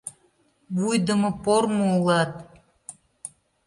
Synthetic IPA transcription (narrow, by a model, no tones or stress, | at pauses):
βujd̪ə̆mɤ̆pormoulˠɑt̪̚